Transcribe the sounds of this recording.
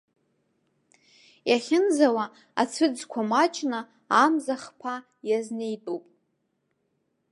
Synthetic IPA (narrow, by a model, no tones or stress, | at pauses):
jaχʲɪnzawa | a̰t͡sʷʰɨd͡zkʷʰamat͡ʃʼʰna | amzaχpʰa | jazne̞jtʼupʼ